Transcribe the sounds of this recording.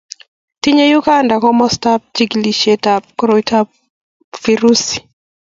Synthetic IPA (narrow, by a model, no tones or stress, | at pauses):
tiɲɛjukandakɔmɔstap̚t͡ʃiɡliʃɛtap̚kɔɾɔitʰa | fiɾusi̥